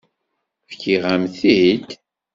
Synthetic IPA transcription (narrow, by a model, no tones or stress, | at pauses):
fkiʁæmθid̪